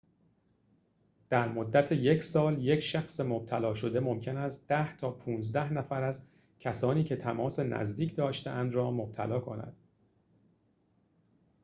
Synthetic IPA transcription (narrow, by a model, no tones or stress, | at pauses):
d̪̥æɾmo̞d̪ːæt̪ʰejecʰsɒːlje̞cʰʃæxsemob̥̚t̪ʰælɒːʃo̞d̪e̞mo̞mcʰe̞næst̪d̪̥æht̪ʰɒːpʰuːnzd̪æhnæfæɾæz | cʰæsɒːniːkcʰe̞t̪ʰæmɒːse̞næ̰zd̪iːcʰd̪ɒːʃt̪eʔænd̪rɒːmob̥̚t̪ʰæ̰lɒːkʰonæ̰d̪̥